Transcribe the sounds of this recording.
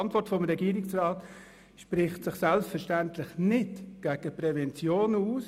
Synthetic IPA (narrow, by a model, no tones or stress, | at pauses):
ntʋɔɾtfɔmɾɛɡiːɾɪksrɑːt | ʃpɾɪχtsɪχsælpsfɛɾʃtæntlɪχnɪtɡ̥æːɡ̥əprɛvɛnt͡sjoːnuːs